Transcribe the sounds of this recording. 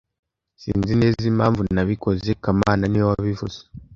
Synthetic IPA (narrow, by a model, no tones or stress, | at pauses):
sḭːnzine̞ːzimaːɱvunaβiko̞zekamaːnaniwaβivuze̥